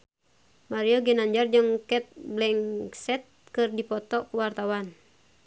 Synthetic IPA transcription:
maɾiɔɡinaɲd͡ʒard͡ʒɨŋkɛt̪̚blɛŋsɛt̪̚kɨrdipɔt̪ɔkuwart̪awan

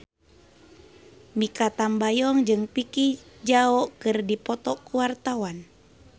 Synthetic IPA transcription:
mikat̪ambajɔŋd͡ʒɨŋpikid͡ʒaɔʔkɨrdipɔt̪ɔkuwart̪awan

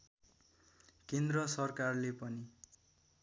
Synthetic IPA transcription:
kend̪rʌsʌrkarlepʌni

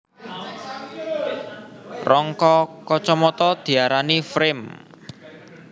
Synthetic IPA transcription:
rɔŋkɔkɔt͡ʃɔmɔt̪ɔd̪̥i̤aɾanifɾɪm

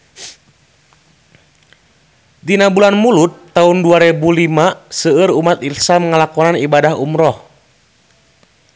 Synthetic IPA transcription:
dinabulanmulut̪ːaunduaɾɛbulimasəːɾumat̪ilsamŋəlakɔnanibadaɦumɾɔh

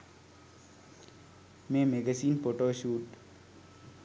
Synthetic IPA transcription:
meːmeɡəsiːnpoʈoːʃuːʈ

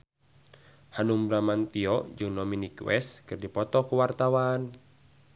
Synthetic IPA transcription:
hanumbɾamant̪iɔd͡ʒɨŋdominikwɛ̰skɨrdipɔt̪ɔkuwart̪awan

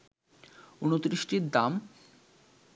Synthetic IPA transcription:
unot̪ɾiʃʈiɾd̪am

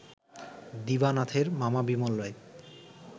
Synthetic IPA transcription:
d̪ibanat̪ʰeɾmamabimolːoe

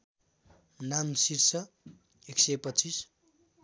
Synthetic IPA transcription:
namsirsʌ | eksejpʌt͡sːis

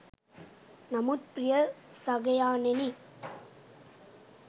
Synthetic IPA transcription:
nɐmut̪̚pɾɪjɐ | sɐɣɐjaːneni

